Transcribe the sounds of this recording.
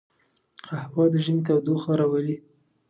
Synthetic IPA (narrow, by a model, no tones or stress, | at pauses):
qahwɑd̪əʒənet̪awd̪oxaɾawəli